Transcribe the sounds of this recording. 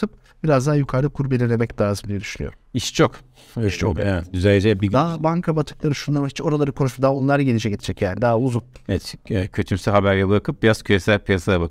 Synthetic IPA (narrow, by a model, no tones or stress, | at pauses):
ɯp̚ | b̥iɾazd̪aɦːjukʰaɾd̪ɯkʰuɾbelʲine̞mɛclʲaːzɯmd̪ʲijɛd̪yʃynyjoɾumiʃt͡ʃʰok | iʃt͡ʃʰokɛɛt̪d̪yzælʲed͡ʒɛbid̪aːbaŋkʰabat̪ʰɯklˠaɾɯʃunˠaɾmait͡ʃo̞ɾalˠaɾɯkʰo̞nuʃupd̪aːbunlˠaɾaɟenid͡ʒɛɟet̪ʰid͡ʒɛcjaːnid̪aːauzunevɛt̪ɛcʰøt̪ʰymsiɦabæɾjʲɛbɯɾakʰɯp̚biɾaz̥cʰyjesælʲpʰijasad̪abakɯ